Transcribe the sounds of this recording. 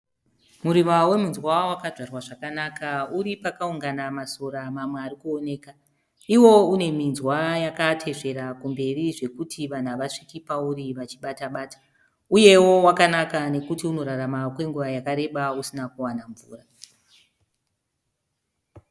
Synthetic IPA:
muɾimawe̞munzwawakaʐarwaʐakanakauɾipakauŋɡanamaso̞ɾamamwearikuo̞ne̞ːka | iwo̞une̞minzwajakatʰe̞ʐe̞ɾakumbe̞riʐe̞kutʰiʋan̤aʋaʂikipauriʋat͡ʃiɓataɓaːtḁ | uje̞wo̞wakanakane̞kutiuno̞ɾaɾamakwe̞ŋɡuʋajakaɾe̞ɓausinakuwanaɱvṵːra

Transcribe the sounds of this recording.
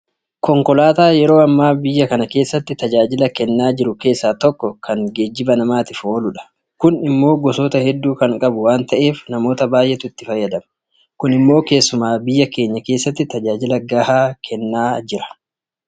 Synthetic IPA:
kɔŋkɔlaːt̪aːjɛɾo̞ːɐmːaːbɪjːɐkɐnɐke̞ːsːɐt̪ːɪt̪ɐd͡ʒaːd͡ʒɪlɐkɛnːaːd͡ʒɪɾʊke̞ːsːaːt̪ɔkːɔkʰɐŋɡe̞ːd͡ʒːɪbɐnɐmaːt̪ɪfoːlʊᶑɐ̥ | kʊnɪmːo̞ːɡɔsoːt̪ɐhɛd̪ːuːkɐŋkʼɐbʊwaːnt̪ɐʔe̞ːfnɐmo̞ːt̪ɐbaːjʔɛt̪ʊɪt̪ːɪfɐjːɐd̪ɐmɐ | kʊnɪmːo̞ːke̞ːsːʊmaːbɪjːɐke̞ːɲːɐke̞ːsːɐt̪ːɪt̪ɐd͡ʒaːd͡ʒɪlɐɡaːhaːkʰɛnːaːd͡ʒɪɾɐ̥

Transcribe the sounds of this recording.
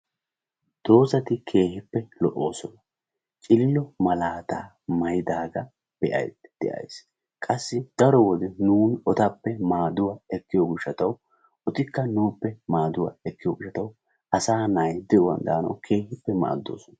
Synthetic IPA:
d̪̥o̞ːsɐt̪ɪkʰe̞ːhɪpːɛlɔʔːo̞ːsɔnɐ | t͡ʃʼɪlːɔmɐlaːt̪a̰ː | mɐjd̪aːɡɐ | b̥ɛʔɐ̰jd̪d̪̥ɛʔɐ̰js | kʼɐsːɪd̪̥ɐɾɔwɔd̪ɛnuːnɔt̪ɐpːɛmaːd̪ʊwaːɛkːɪjoːɡʊʃɐt̪ɐw | ɔt̪ɪkːɐnuːpːɛmaːd̪ʊwa̰ːɛkːɪjoːɡʊʃːɐt̪ɐw | ʔɐsaːnajd̪ɛʔɔwɐ̰nd̪aːnɐ̰wkʰe̞ːhɪpːɛma̰ːd̪ːo̞̰ːsɔnɐ̥

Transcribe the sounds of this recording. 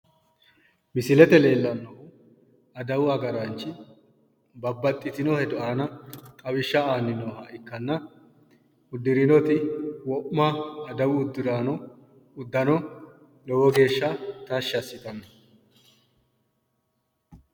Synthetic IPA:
mɪsɪlɛt̪ɛle̞ːlːɐnːɔ | ɐd̪ɐwʊɐɡɐɾant͡ʃːɪ | bɐbːɐt̪ʼːɪt̪ɪnɔhɛd̪ʊʔaːnɐkʼɐbɪʃːɐaːnːɪnɔhɐʔɪkːɐnːɐ | ʊd̪ːɪɾɪnɔt̪ɪwɔʔmaːd̪ɐwʊːd̪ːɪɾaːnɔ | ʊd̪ːɐnɔ | lɔwɔɡe̞ːʃːɐt̪ɐʃːɐsːɪt̪ɐnːɐ

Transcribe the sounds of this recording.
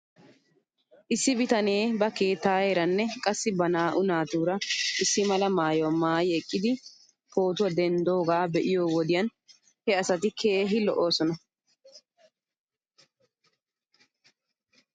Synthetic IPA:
ʔɪsːɪbɪt̪ɐne̞ːbɐkeːt̪ːaːeɾɐnːɛkʼɐsːɪbɐnaːʔʊnaːt̪uːɾɐʔɪsːɪmɐlɐmaːjomaːjɛkʼːɪd̪ɪ | ho̞ːt̪ʊwɐd̪ɛnd̪o̞ːɡaːbɛʔɪjo̞ːwɔd̪ɪjɐn | hɛɐsɐt̪ɪkʰe̞ːɦɪlɔʔo̞ːsɔnɐ

